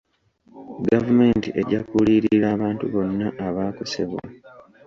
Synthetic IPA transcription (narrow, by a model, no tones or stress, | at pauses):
ɡavume̞ːntiʔe̞ɟakuliːɾiiɾaːβaːntuβo̞nːaʔaβaːkuse̞̰βwa̰